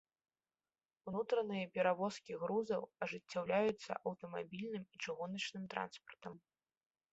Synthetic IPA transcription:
unut̪ɾɐnɨjɐpʲɛɾavɔskʲiɣɾuzɐwɐʐɨt͡sʲːawlʲajut̪sːɐ̰ʔɐwt̪ɐmabʲilʲnɨmit͡ʂɨɣunɐt͡ʂnɨmt̪ɾa̰nspɐ̥rt̪ɐm

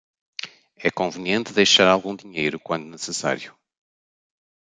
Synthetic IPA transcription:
ɛkõvɨniẽnt̪ɨðejʃaɾalˠɣũd̪iɲejɾukwɐ̃nd̪unɨsɨsa̰ɾju

